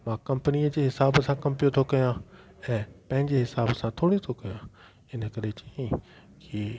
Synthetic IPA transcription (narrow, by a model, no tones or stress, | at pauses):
mãːkɐ̃mpəniəd͡ʑeːɦɪsaːbsãkɐ̃mpijot̪ʰokɐjã | ɛ̃ːpɐ̃ɦɪ̃ɲd͡ʑeɦɪsaːbsãt̪ʰoːɽit̪ʰokɐjã | ɪnə̆kɐɾet͡ɕɐ̥ĩ | ki